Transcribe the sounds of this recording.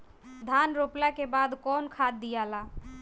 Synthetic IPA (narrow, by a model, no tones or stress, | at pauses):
d̪ʱanɾoplakebad̪kɔnkʰad̪ːijala